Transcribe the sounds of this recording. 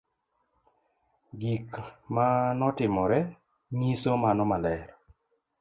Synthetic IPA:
ɡikmanɔtɪmɔɾɛ | ŋisomanɔmalɛɾ

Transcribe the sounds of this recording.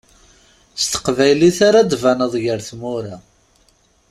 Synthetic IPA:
st̪ə̥qvæjliθaɾad̪vænəðˤʝəɾθmʊɾa

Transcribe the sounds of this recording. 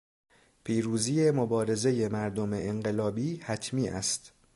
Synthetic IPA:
pʰiːɾuːziːje̞mobɒːɾe̞ze̞je̞mæɾd̪omeːɴɢe̞lɒːbiːhæt̪ʰmiːʔæ̰st̪

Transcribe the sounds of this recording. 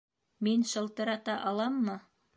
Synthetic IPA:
minʃɤ̆lˠt̪ɤ̆ɾɑt̪ɑʔɑlˠɑmːɤ

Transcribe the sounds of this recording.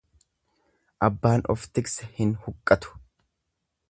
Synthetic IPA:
ʔɐbːaːnɔ̰ft̪ɪksɐhɪnhʊkʼːɐt̪ʊ̥

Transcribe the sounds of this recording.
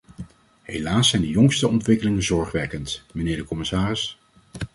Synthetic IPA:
ɦelaːsɛjndəjɔŋstəɔntʋɪkəlɪŋənzɔɹχʋɛkəntmənɪːɹdəkɔmɪsaːrɪs

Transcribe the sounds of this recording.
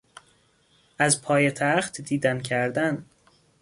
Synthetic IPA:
ʔæzpʰɒːjet̪ʰæχt̪ʰd̪iːd̪æncʰæɾd̪æn

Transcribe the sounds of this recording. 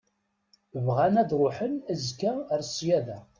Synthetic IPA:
əvʁænæðɾˤʊħənəzkæɾsjæðæ

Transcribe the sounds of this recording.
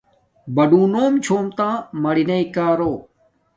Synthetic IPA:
bɐɖũːnoːmt͡ɕʰoːmt̪ãːmɐɽinɐikaːɾoː

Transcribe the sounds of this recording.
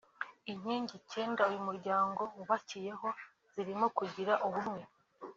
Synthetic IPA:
iɲiːɲɟice̞ːndaujumuɾɟaːŋɡo̞wuβacije̞ɦo̞ | z̥iɾimo̞kuɟiɾaʔuβumŋwe̞

